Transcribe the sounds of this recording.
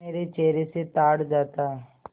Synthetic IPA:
eːɾet͡ʃeːɾeset̪aːɽd͡ʒaːt̪aɦɛ

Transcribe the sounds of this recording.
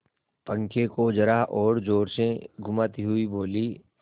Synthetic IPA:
pə̃ŋkekod͡ʒɐɾaɦʔɔːɾd͡ʒoːɾsẽɡʱʊmaːt̪iɦʊiboːli

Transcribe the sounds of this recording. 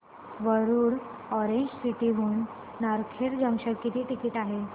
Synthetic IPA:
ʋəɾuːɽ | ɔɾeɲd͡ʑsiʈiːɦuːn | naɾkʰeɾd͡ʑə̃ŋɕəɾkːit̪iːʈikiːʈaɦe

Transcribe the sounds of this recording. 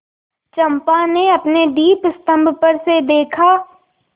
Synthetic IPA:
t͡ʃɐ̃mpaneɐpned̪iːpst̪ə̃mbʱpəɾsed̪eːkʰaː

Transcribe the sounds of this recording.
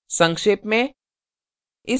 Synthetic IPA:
sə̃ŋkʂeːpmẽ | ɪ

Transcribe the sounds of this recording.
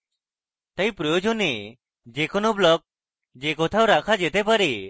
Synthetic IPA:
t̪əjpɾɔjɔd͡ʒɔni | d͡ʒɛkɔnɔblɔk̚ | d͡ʒɛkɔt̪ʰawɾakʰad͡ʒɛt̪ɛpaɾi

